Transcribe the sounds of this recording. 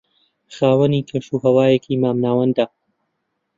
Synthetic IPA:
xaːwɐniːkʰeʃuːɦɐwaːjekʰiːmaːmnaːwɐnd̪a

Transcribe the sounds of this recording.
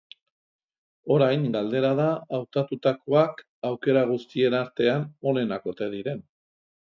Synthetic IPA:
o̞ɾajŋɡald̪e̞ɾað̞aːwt̪at̪ut̪ako̞ak | awke̞ɾaɣ̞ust̪ie̞naɾt̪e̞ano̞ne̞nako̞t̪e̞ð̞iɾe̞n

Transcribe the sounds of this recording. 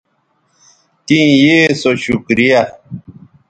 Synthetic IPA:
tĩjesoʃukɾija

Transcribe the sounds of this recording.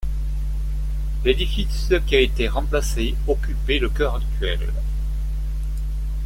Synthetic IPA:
led̪ifiskʲiaet̪eʁɑ̃plase | ɔkʲypeləkœʁak̚t̪ɥɛ̰l

